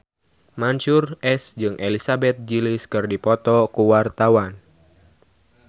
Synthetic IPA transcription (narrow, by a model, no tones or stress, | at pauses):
maɲt͡ʃurɛsd͡ʒɨŋʔelisabɛt̪̚d͡ʒilɪskɨrdipɔt̪ɔkuwart̪awan